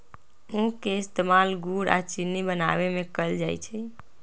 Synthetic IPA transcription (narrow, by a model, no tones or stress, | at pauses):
ũkeɪst̪emalɡuɾa̰t͡ʃinːibəna̰ʋemẽkəld͡ʒajt͡ʃʰɛ